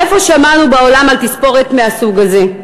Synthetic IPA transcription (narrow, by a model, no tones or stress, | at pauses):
efo̞ʃamanubao̞lamalt̪ispo̞ʁet̪measuɡaze̞